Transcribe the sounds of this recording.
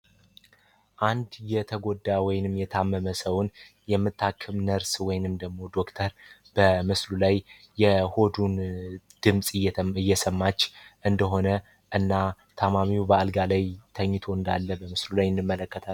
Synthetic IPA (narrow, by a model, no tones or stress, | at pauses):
ʔand̪jɛt̪ʰəɡo̞d̪ːawɔjɪnɨmjɛt̪ʰamːəməsəwn | jɛmːɨt̪ʰːakʰːɨmnəɾswɔjnɨmd̪əɡmo̞d̪o̞kt̪ʰəɾb̥əmɨslulajː | ɛho̞d̪un | d̪̥ɨmsʼɨjɛɨjːɛsəmːat͡ʃːʔɨnd̪əɦo̞nə | ʔɨnːa | t̪ʰamamiwubəalɡalajt̪ʰəɲːɪt̪ʰoɨnd̪a̰lːəbəmɨslulajɨnd̪ɨmːələkːət̪ʰa